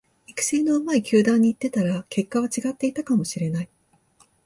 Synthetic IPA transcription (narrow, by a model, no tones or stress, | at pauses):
ikɯ̟̥seːno̞ɯmaikʲɨːd̪ãɲ̟ːiːt̪ːe̞t̪aɾake̞kːaβ̞at͡ɕiɡat̪ːe̞it̪akamo̞ɕiɾe̞nai